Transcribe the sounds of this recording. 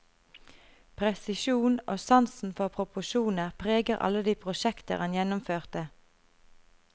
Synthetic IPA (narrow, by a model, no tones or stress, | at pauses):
pʰʁɛsɪʃuːnʔoːsɑnsn̩fɔʁpʰʁʊpʊʃuːnəʁpʰʁeːɡəʁʔɑ̰ləd̪iːpʰʁʊʃɛkt̪ə̰ʁɑnjɛnʊmføːʁt̪ə